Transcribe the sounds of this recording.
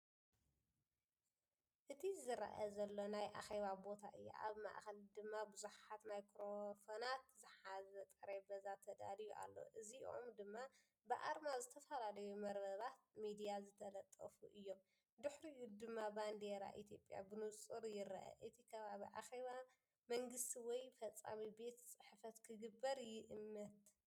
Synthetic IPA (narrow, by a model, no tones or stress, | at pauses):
ʔɨt̪ʰizɨɾɐ̰ʔɐ̰zɐlːo̞najʔa̰xeβabo̞t̪ʰaʔɨjːa̰ʔa̰βma̰ʔxɐld̪ɨmːabɨzuħat̪najkʰɾofonat̪zɨħazɐt̪ʼɐɾebɐzat̪ʰɐd̪a̰lijuʔa̰lːo̞̰ʔɨziʔo̰md̪ɨmːa | bɨʔaɾmazɨt̪ʰɐfɐlalɐjumɐɾbɐβat̪̚mid̪ijazɨt̪ʰɐlɐt̪ʼːɐ̰fṵʔɨjːo̞m | d̪ɨħɾijud̪ɨmːaband̪eɾa̰ʔit̪ʰjo̞pʼːja̰bɨnut͡sʼɨɾjɪɾɐ̰ʔɐ̰ʔɨt̪ʰikʰɐβaβiʔa̰xe̞βa | mɐŋɡɨst̪ʰiwɔjfɐt͡sʼːa̰mibe̞t̪sʼɨħfɐt̪kʰɨɡɨbːɐɾjɪʔɨmːɐt̪